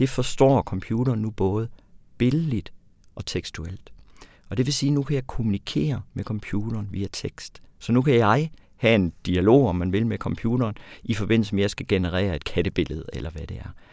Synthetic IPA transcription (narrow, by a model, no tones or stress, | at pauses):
d̥e̝fɒ̽sd̥ɒ̰ːkʰɒ̽mpʰjuːɾɐːnːub̥ɔ̽ːð̞̩ˠb̥e̝l̩ˠlid̥ | ʔɒ̽t͡sʰeɡ̥sd̥uel̰d̥ | ɒ̽d̥e̝ʋe̝siːnukʰæjɑ̈ɪkʰo̝munikʰe̝̰ːɐmekʰɒ̽mpʰjuːd̥ɐːnʋiːæt͡sʰeɡ̥sd̥sɒ̽nukʰæjɑ̈ɪ | hæe̝nd̥iælo̝̰ːɒ̽mːænʋe̝lmekʰɒ̽mpʰjuːɾ̥ɐːnifɒ̽b̥e̝n̰l̩səmejɑ̈ɪsɡ̥æɡ̥e̝nəʁɛ̰ːɐe̝d̥̚kʰæɾ̥əb̥e̝ləð̞̩ˠelʔɐʋæd̥e̝æɐ